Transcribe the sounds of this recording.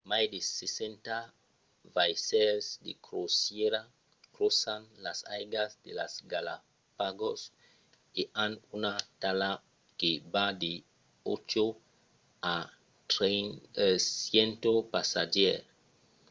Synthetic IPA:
majd̪esesent̪a | vajsɛɾsd̪ḛkɾosjeɾa | kɾosanlasajɡazd̪elasɡala̰ | paɡos | eʔanunat̪ala | kebad̪e | ot͡ʃo | a | jent̪opasad͡ʒeɾ

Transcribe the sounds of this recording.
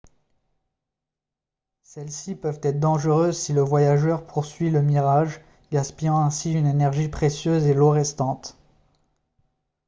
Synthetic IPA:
sɛlsipœvt̪ɛt̪χd̪ɑ̃ʒəʁøzsiləvwajaʒœʁpʰuʁsɥiləmiʁaʒ | ɡaspijɑ̃ɛ̃siynenɛʁʒipχesjøzeloʁɛst̪ɑ̃t̪

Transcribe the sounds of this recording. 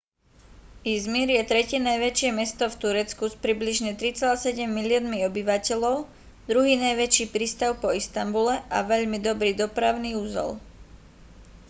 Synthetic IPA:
izmiɾjɛt̪ɾɛcɪɛnajʋɛt͡ʃɪɛmɛst̪ɔft̪uɾɛt͡skuspɾibliʒɲɛt̪ɾit͡sɛlaːsɛɟɛmːilɪɔnmiɔbiʋacɛʎɔʊ | d̪ɾuɦiːnajʋɛt͡ʃiːpɾiːst̪aʊpɔist̪ambulɛʔaʋɛʎmid̪ɔbɾiːd̪ɔpɾaʊniːuzɛ̰l

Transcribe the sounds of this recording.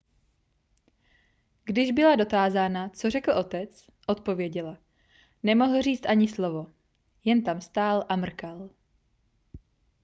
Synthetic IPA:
ɡdɪʒbɪlado̞t̪aːzaːnat͡so̞r̝ɛkl̩ʔo̞t̪ɛt͡s | ʔo̞t̪̚po̞vjɛɟɛla | nɛmo̞ɦl̩riːt͡st̪ʔaɲɪslo̞vo̞ | jɛnt̪amst̪aːlʔamr̩kal

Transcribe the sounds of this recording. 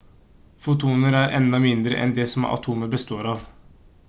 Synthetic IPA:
fʊt̪ʰuːnəɾæɾʔɛnd̪ɑmɪnd̪ɾə̰ʔɛ̰nd̪ɛsɔmɑ̰t̪ʰuːməbəst̪oːɾɑːʋ

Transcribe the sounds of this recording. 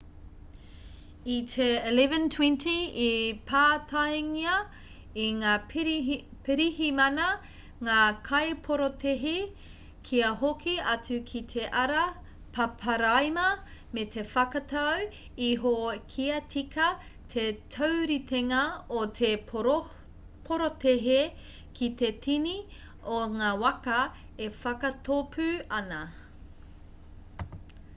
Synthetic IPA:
it̪ʰeilɛvəntʰwɛ̃ntiipʰaːtʰajŋiɐ | iŋaː | peɾihimɐnɐ | ŋaːkʰɐjpʰoɾotʰeɦi | kʰiɐɦokʰiɐt͡sukʰit̪ʰe̞ʔɐɾɐ | pʰɐpʰɐɾajmɐmet̪ʰe̞fɐkɐtʰɐw | iɦokʰiɐtʰikɐ | tʰetʰowɾit̪eŋɐotʰe | pʰoɾoteɦe | kʰit̪e̞tʰini | oŋaːwɐkɐ | efɐkɐtopʰʉɐnɐ

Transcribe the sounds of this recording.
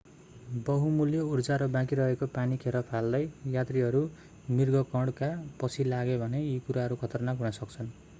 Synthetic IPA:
bʌɦumuljʌurd͡zaɾʌbãkiɾʌɦekopanikʰeɾʌpʰald̪ʌjjat̪riɦʌɾu | mirɡʌkʌɽkapʌt͡sʰilaɡebʱʌneikuɾaɦʌɾukʰʌt̪ʌrnakɦunʌsʌk̚t͡sʰʌn

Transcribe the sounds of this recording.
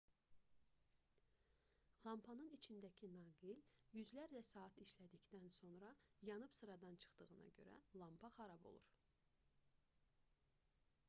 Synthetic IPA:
lˠɑmpʰɑnɯnit͡ʃʰind̪æcʰinɑːɡiljyzlæɾlæsɑːt̪ʰiʃlæd̪içd̪ænso̞nɾɑjɑnɯbsɯɾɑd̪ɑnt͡ʃʰɯ̥χt̪ɯɣɯnɑ̰ɟøɾæ̰lˠɑmpʰɑχɑɾɑbo̞̰lˠṵɾ

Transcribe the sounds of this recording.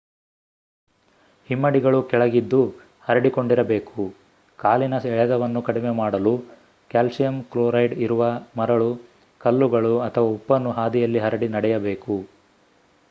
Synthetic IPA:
himːɐɽiɡɐɭukɛɭɐɡid̪ːu | hɐɾɐɽiko̞ɳɖiɾɐbe̞ːku | kaːlinɐsɛɭɛd̪ɐʋɐnːukɐɽimemaːɽɐlu | kaːlsijɐmkloːɾɐjɖiɾuʋɐmɐɾɐɭu | kɐlːuɡɐɭuɐt̪ʰɐʋɐupːɐnːuɦaːd̪ijɐlːiɦɐɾɐɽinɐɽɛjɐbe̞ːku

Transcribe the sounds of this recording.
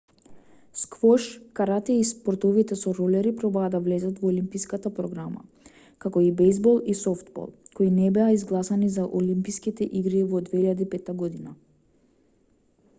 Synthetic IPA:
skvɔʃkaɾat̪ɛispɔɾt̪ɔvit̪ɛsɔɾɔlɛɾipɾɔbaːd̪avlɛzat̪vɔːlimpijskat̪apɾɔɡɾama̰ | kakɔibɛjzbɔlˠisɔft̪bɔ̰lˠkoinɛbɛaizɡlˠasanizaʔolimpiskit̪ɛʔiɡɾivɔd̪vɛiʎad̪ipɛt̪ːaɡɔd̪ina

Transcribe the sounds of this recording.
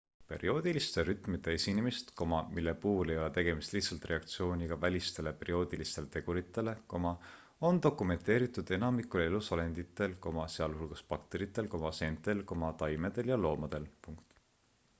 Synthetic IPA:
pe̞̰ɾio̞ːd̪̥ilist̪e̞ɾyt̪ˑmid̪e̞esinemist̪ko̞mɑmilːe̞puːhle̞jo̞le̞t̪e̞ɡ̥e̞mist̪liht̪sɑlt̪re̞ɑkt̪sio̞ːnʲiɡ̥ɑvælʲist̪e̞le̞pe̞ɾio̞ːd̪̥ilist̪e̞let̪e̞ɡ̥uɾit̪ːˑe̞le̞ko̞mɑ | o̞nt̪o̞kːˑume̞nt̪ˑe̞ːɾit̪ːˑud̪̥e̞nɑmikːˑule̞lusɑle̞nd̪̥it̪ːˑe̞lko̞mɑseɑluhulɡ̥ɑspɑk̚t̪e̞ɾit̪ːˑe̞lko̞mɑse̞nt̪ːˑe̞lko̞mɑt̪ɑjme̞d̪̥e̞ljɑlo̞ːmɑd̪̥e̞lpuŋkt̪

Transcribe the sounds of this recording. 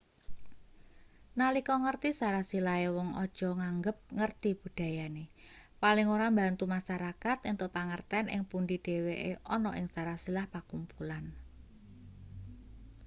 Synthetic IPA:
nalikɔŋərt̪isaɾasilaewɔŋɔ̰d̥ʒ̥ɔ̤ŋaŋɡəp̚ŋərt̪ib̥ṳd̥a̤jane | palɪŋoɾambant̪umaʃaɾakat̪ɪnt̪opaŋərt̪ɛnʔɪ̰ŋpunɖiɖ̥e̤weʔeʔɔnɔʔɪŋsaɾasilahpakumpulan

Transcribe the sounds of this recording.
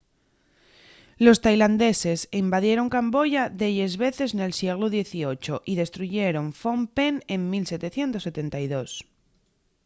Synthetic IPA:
lo̞st̪ajland̪e̞se̞simbaðje̞ɾo̞ŋkambo̞ʝaðeʎe̞zβe̞θe̞zne̞lsje̞ɣloðje̞θio̞t͡ʃoʔiðe̞st̪ɾuʝe̞ɾo̞ɱfompene̞mmilse̞t̪e̞θje̞nt̪o̞sːe̞t̪e̞nt̪ajðo̞s

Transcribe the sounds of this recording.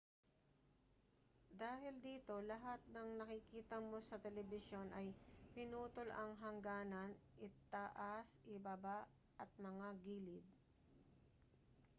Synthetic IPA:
d̪aːhɪld̪iːt̪o̞lɐɦat̪̚nɐŋnɐkɪkiːt̪ɐmo̞sɐt̪ɛlɛbɪʃo̞nʔɐjpɪnuːt̪olʔɐŋɦɐŋɡaːnɐnʔɪt̪aʔasɪbaba | ʔɐt̪̚mɐŋaɡiːlɪd̪̚

